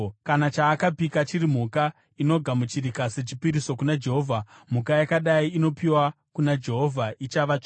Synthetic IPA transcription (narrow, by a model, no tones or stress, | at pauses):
kanat͡ʃaːkabikat͡ʃiɾim̤uka | ino̞ɡʱamut͡ʃiɾikase̞t͡ʃipiɾiso̞kunad͡ʒe̞ɦo̞vʱam̤ukajakaɗaiːno̞piwa | kunad͡ʒe̞ɦo̞vʱait͡ʃaʋat͡ʃ